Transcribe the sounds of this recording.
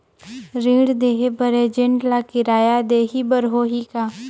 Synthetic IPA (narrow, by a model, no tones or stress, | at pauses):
ɾĩːɽd̪eːɦebəɾed͡ʒɪɳʈlakɪɾaːjad̪eːɦibəɾɦoːɦikaː